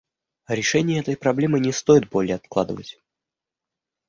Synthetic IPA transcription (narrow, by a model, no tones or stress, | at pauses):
ɾʲɪʂɛnʲɪjəɛt̪əjpɾɐblʲe̞mɨnʲɪst̪ojɪt̪̚bo̞lʲɪjəɐt̪̚klˠa̰d̪əvə̰tʲ